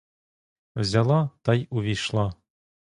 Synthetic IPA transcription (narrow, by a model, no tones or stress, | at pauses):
zʲælˠɑt̪ɑjuvʲiʃlˠɑ